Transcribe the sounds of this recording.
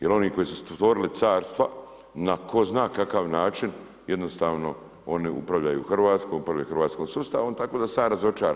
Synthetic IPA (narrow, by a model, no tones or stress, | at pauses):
jelo̞niko̞jesust̪ʋo̞ɾilit̪saːɾst̪ʋa | nakʰo̞znaːkakaʋnaːt͡ʃin | je̞d̪no̞st̪aːʋno̞ | o̞niṵpɾaʋʎajṵxrʋaːt̪skoːmupɾaʋlʎaexɾʋaːt̪sko̞ːmsust̪a̰ːʋomt̪ako̞ːd̪asaːmɾazo̞t͡ʃaːɾa̰